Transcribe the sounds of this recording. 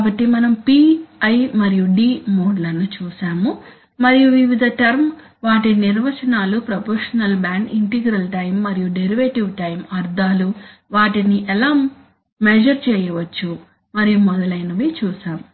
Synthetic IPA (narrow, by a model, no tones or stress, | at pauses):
kaːbɐʈːimɐnɐmpiːɐjmɐɾijuɖiːmoːɖlɐnːut͡ʃuːʃaːmu | mɐɾijuʋiʋid̪ʱɐʈɐɾm | ʋaːʈiniɾʋɐt͡ʃɐnaːlupɾɐpɔːɾʂɐnɐlbaːɳɖiɳʈiɡɾɐlʈɐjmːɐɾijuɖeɾiʋeːʈiʋʈɐjmɐɾd̪ʱaːluʋaːʈiniʔɛlaːmː | ɛd͡ʒɐɾt͡ʃɛːjɐʋɐt͡ʃːu | mɐɾijumɔd̪ɐlɐjnɐʋit͡ʃuːʃaːmu